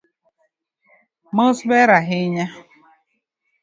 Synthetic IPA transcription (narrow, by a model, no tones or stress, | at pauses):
mosbeɾaɦɪɲa